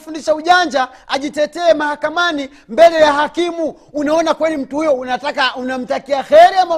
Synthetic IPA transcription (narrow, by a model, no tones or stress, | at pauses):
fundiʃauʄaɲd͡ʒa | aʄitɛtɛːmahakamani | mbɛlɛjahakimuː | naɔnakwɛlim̩tuhujɔunatakaunam̩takiaxɛɾiama